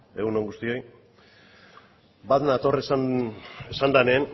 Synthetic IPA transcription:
e̞ɣuno̞ŋɡust̪io̞j | baðenat̪o̞resa | esand̪aneːn

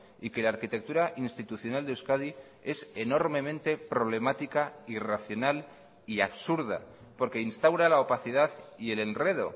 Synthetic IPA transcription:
ike̞laːɾkit̪e̞k̚t̪uɾaʔinst̪it̪uθjo̞nald̪ewskaði | e̞se̞no̞ɾmẽ̞mẽ̞nt̪e̞pɾo̞β̞le̞mat̪ikairaθjo̞nal | iaβsuɾða̰ | po̞ɾke̞inst̪awɾalaopaθiðaðie̞le̞nre̞ðo̞̰

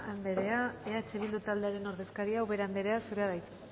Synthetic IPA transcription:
ambe̞ɾe̞aeaet͡ʃeβild̪ut̪ald̪e̞aɾe̞no̞ɾðe̞skaɾiawβe̞ɾamde̞ɾe̞asuɾeaβajt̪

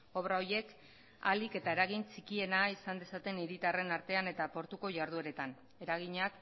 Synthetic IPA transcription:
o̞βɾaoɾje̞k | a̰like̞t̪ae̞ɾaɣint͡sikie̞naisand̪e̞sat̪e̞niɾit̪are̞naɾt̪e̞ane̞t̪apo̞ɾt̪uko̞ʝaɾðue̞ɾe̞t̪an | e̞ɾaɣ̞iɲak

